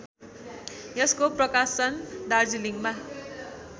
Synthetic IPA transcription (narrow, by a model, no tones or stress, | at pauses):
jʌskoprʌkast͡sʌnd̪ard͡ziliŋɡma